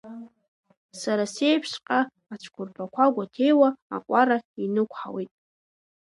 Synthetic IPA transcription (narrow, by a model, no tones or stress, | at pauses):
saɾase̞jpʰʂqʼa | at͡ʃʷʰkʷʰʊrpʰakʷʰaɡʷatʰe̞jwa̰ːqʷʼaɾainɨkʷʰħa̰witʼ